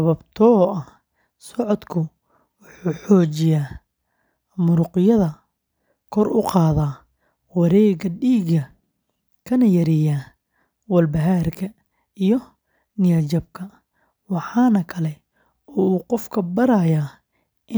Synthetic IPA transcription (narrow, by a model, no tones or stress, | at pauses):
sɐβɐbt̪ʰɔʔɐh | sɔʕɔd̪kʰʊ | wʊħuːħɔːt͡ʃɪjaː | mʊɾʊqɪjɐðɐ | kʰɔɾʊ̰qɑːðaː | wɑɾɛːɣɐɖiːɡɐ | kʰɐnɐjɐɾɪjaː | wɐlbɐɦaːrkʰɐ | ijɔ | nɪjɐt͡ʃɐbkʰɐ | wɑħɑːnɐkʰɐlɛ | ɔuːqɔfkʰɐbɐɾajaː | ʔɪ